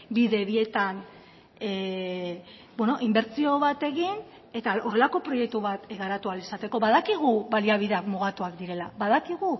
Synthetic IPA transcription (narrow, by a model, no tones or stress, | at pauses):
biðe̞βie̞t̪an | e | bweno̞ʔimbe̞ɾt͡sio̞βat̪e̞ɣin | e̞t̪ao̞re̞lako̞pɾo̞je̞k̚t̪uβat̪eɣaɾat̪ualisat̪e̞ko̞βaðakiɣ̞uβaliaβ̞iðeakmuɣ̞at̪uakd̪iɾe̞labaðakiɣ̞u